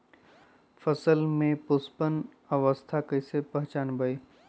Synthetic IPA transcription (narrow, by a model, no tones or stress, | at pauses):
fəsəlmẽpʊspən | əʋəst̪ʰakəɪsepə̃ɦt͡ʃaːnbəeː